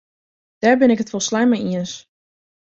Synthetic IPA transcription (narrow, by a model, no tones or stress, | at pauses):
d̥aːɹbɪnɪkətfɔlˠslajmaiəns